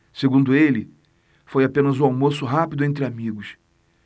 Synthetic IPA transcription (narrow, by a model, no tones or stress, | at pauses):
seɡũnd̪ʊelɪ | fojapẽnɐzʊawmosʊɦapid̪ʊẽnt̪̬ɾɪamiɡʊs